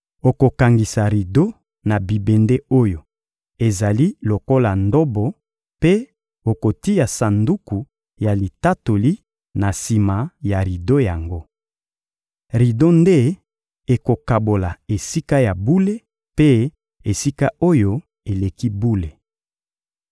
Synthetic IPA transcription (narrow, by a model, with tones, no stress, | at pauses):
o˨ko˨ka˨ŋɡi˨sa˨ʁi˨do˦ | na˨bi˨be˨nde˦o˦jo˨ | e˨za˨li˦lo˨ko˦la˨ndo˦bɔ˨ | pe˦ | o˨ko˨ti˦ja˨sa˨ndu˦ku˨ | ja˨li˨ta˦to˨li˦ | na˨si˨ma˨ja˨ʁi˨do˦ja˨ŋɡo˦ | ʁi˨do˦nde˦ | e˨ko˨ka˨bo˨la˨e˨si˦ka˦ja˨bu˦le˦ | pe˦ | e˨si˦ka˦o˦jo˦ | e˨le˨ki˦bu˦le˨